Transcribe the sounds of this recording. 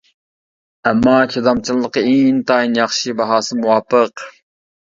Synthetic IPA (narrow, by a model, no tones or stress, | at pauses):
ɛmːɑːkʲʰed̪ɑmt͡ʃʰilˠːəqəeŋnt̪ʰɑːinjɑχʃibɑɦɑːsɨmuwɑːpːəq